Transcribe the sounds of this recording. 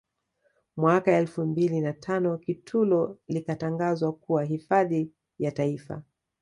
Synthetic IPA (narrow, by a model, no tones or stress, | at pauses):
mwakaɛlfumbilinatʰanɔkitʰulɔlikataŋɡazwakuwaɦifaði | jataifa̰